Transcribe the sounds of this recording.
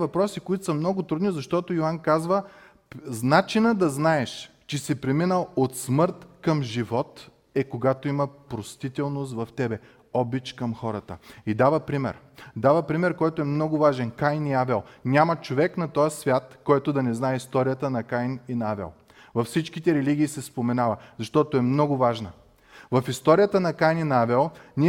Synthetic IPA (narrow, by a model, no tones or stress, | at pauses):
vɐpɾɔsikoit̪osɐmnɔɡʊt̪ɾud̪nizɐʃt̪ɔt̪ojoankazvə | znat͡ʃinəd̪ɐznaɛʃ | t͡ʃɛsɛpɾɛminəlˠot̪smɤɾt̪kɐmʒivɔt̪ | ɛkoɡat̪oimɐpɾost̪it̪ɛlˠnos̬t̪vɐft̪ɛbɛ | ɔbit͡ʃkɐmxɔɾɐt̪ə̰id̪avəpɾimɛ̰ɾ | d̪avəpɾimɛɾkɔjt̪oɛmnɔɡʊvaʒɛnkajniavɛlˠnʲamɐt͡ʃovɛknɐt̪ɔjəsvʲjat̪kɔjt̪od̪ɐnɛznaɛist̪ɔɾijət̪ənɐkajninɐavɛ̰lˠ | vɐfsit͡ʃkit̪ɛɾɛliɡʲiːsɛspomɛnavɐzɐʃt̪ɔt̪oɛmnɔɡʊvaʒnə | vɐfist̪ɔɾijət̪ənɐkajninɐavɛlˠni